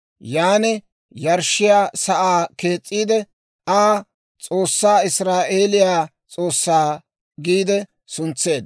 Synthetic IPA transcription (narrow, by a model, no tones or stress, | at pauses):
jaːnɛ | jɐɾʃːɪjaːsɐʔaːke̞ːt͡sʼːiːd̪ɛ | aː | t͡sʼoːsːaːɪsɾaːʔeːlɪjaː | t͡sʼo̞ːsːaː | ɡiːd̪ɛ | sʊnt͡sːe̞ːd̪